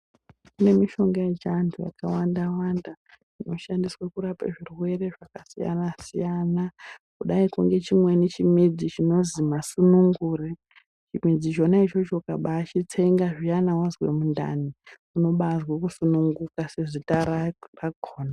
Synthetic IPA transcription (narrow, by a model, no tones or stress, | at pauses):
kune̞miʃo̞ŋɡajet͡ʃantʰuja̰kawandawanda | ʐino̞ʃandiswakuɾapa̰ʐirwe̞re̞ʐakasija̰nasijanakuɗaikuŋɡe̞t͡ʃimwe̞nit͡ʃimid͡zit͡ʃino̞zimasunuŋɡure | t͡ʃimid͡zit͡ʃo̞nait͡ʃo̞t͡ʃo̞kaɓaːt͡ʃit͡seŋɡaʐianawazwe̞̰munda̰ni | uno̞ɓazwakusunuŋɡukase̞ʐitaɾaraɡʱoːna